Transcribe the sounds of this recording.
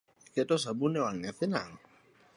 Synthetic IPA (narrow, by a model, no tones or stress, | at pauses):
kɛtɔs̬abunɛwaŋɲafɪna̰ŋ